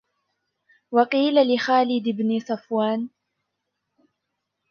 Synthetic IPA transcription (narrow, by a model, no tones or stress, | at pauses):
wɑqiːlalɪxaːlɪd̪ɪbnɪsˤɑfwaːn